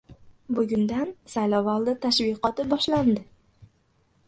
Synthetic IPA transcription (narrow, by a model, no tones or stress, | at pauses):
bʊɡʲʊnd̪ansajlɒvɒlˠd̪ɪt̪ʰaʃvɪqɒt̪ɪbɒʃland̪ɪ